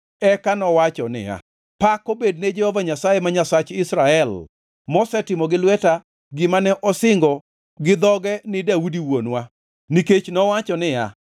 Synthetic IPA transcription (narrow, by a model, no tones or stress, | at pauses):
ɛkanɔwat͡ʃɔnɪ̰ja̰ | pakobedned͡ʒɛhɔvaɲasajemaɲasat͡ʃɪsɾaɛl | mɔsɛtɪmɔɡɪlwɛta | ɡɪmanɛʔɔsɪŋɡɔ | ɡɪd̪ɔɡɛnɪdaudiwonwa | niket͡ʃnɔwat͡ʃɔnɪja̰